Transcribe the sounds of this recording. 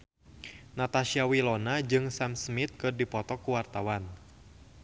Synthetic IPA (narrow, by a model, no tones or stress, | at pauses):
nat̪aʃiawilɔnad͡ʒɨŋsamsmit̪̚kɨrdipɔt̪ɔkuwart̪awan